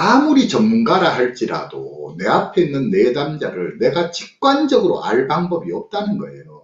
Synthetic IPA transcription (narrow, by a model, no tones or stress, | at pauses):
amuɾit͡ɕʌmːunɡaɾaɦaɭt͡ɕ͈iɾa̰do̰ne̞apʰe̞inːɯnːe̞damd͡ʑaɾɯɭne̞ɡat͡ɕik̚k͈wand͡ʑʌɡɯɾo̰ʔa̰ɭbaŋbʌbiʌp̚t͈anɯnɡʌe̞̰jo